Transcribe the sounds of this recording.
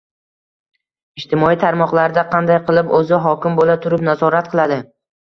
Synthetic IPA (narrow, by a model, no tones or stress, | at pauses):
ɪʃt̪ʰɪmɒit̪ʰaɾmɒqlˠaɾɪd̪aqʰɑnd̪ajqɨlˠɪpɵzɪɦɒkʲɪmbolat̪ʰʊɾɪpnazɒɾat̪̚qʰɨlˠad̪ɪ